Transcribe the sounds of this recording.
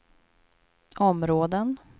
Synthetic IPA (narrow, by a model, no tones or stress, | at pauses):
ɔmɾoːd̪ən